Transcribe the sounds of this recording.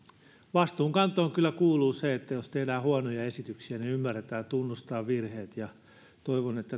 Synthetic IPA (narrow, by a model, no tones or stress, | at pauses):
ʋɑst̪uːŋkɑnt̪ːˑoːŋkylːækuːluːseet̪ːæjost̪elæːhuɑnojɑesit̪yksiæneymːærːet̪æːt̪unːust̪ɑːʋʋirheːt̪jɑ | t̪oiʋonet̪ːæ